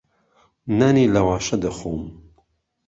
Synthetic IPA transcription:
nɐnilɐwɑːʃɐd̪əxom

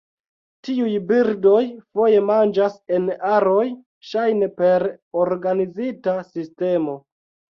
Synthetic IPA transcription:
tiujbiɾdo̞jfo̞je̞mand͡ʒase̞naɾo̞j | ʃajne̞pe̞ɾoɾɡanizitasiste̞mo̞

